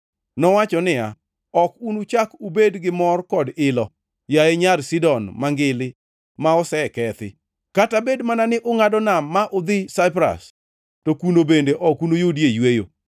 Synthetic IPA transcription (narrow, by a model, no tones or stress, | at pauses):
nɔwat͡ʃɔnɪa | ɔkunut͡ʃakubedɡɪmɔrkɔdɪlɔ | jaeɲaɾsɪdɔnmaŋɡɪlɪ | maɔsɛkɛt̪ɪ̰ | katabedmananɪʔʊŋadɔnamːaʔʊd̪ɪsaɪpɾa̰s | tokunobendeʔɔkunojodjejwejo̰